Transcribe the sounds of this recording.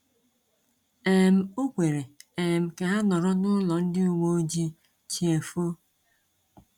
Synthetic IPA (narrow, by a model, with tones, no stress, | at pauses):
e˨m̩˨o˦kʷe˨ɾe˨e˨m̩˨ka˨ɦa˦nɔ˨ɾɔ˦nʊ˦lɔ˨n̩˦dɪ˦u˨wo˦d͡ʒi˦ | t͡ʃi˨e˨fo˦